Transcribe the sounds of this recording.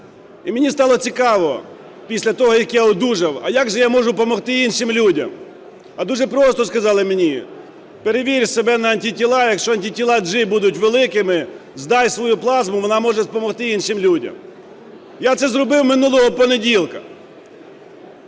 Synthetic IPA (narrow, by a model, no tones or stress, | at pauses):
imʲenʲist̪ɑlˠɔt͡sʲikɑʋɔ | pʲisʲlʲɐt̪ɔɦɔjɐkjaɔd̪uʒɐwɐjaɡʒɛjamɔʒʊpɔmɔxt̪ɪinʃɪmlʲudʲɐ̰m | ɐd̪uʐɛpɾɔst̪ɔskɐzɑlˠɪmenʲi | peɾeʋʲiɾʲsebɛnɐːnʲtʲitʲilˠɑjɐkʃt͡ʃɔɐnʲtʲitʲilˠɑd͡ʒɪbud̪ʊtʲʋelˠɪkɪmɪzd̪ɑjsʋɔjuplˠɑzmʊʋɔnɑmɔʒɛspɔmɔxt̪ɪinʃɪmlʲudʲɐ̰m | jat̪sɛzɾɔbɪwmɪnulˠɔɦɔpɔnedʲilˠkɐ